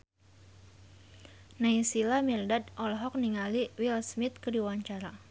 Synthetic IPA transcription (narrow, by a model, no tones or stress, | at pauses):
naisilamirdadʔɔlɦɔk̚niŋaliwilsmit̪̚kədiwaɲt͡ʃaɾa